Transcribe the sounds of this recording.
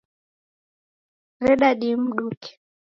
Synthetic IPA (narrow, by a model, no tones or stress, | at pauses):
ɾɛɗaɗim̩ɗukɛ̥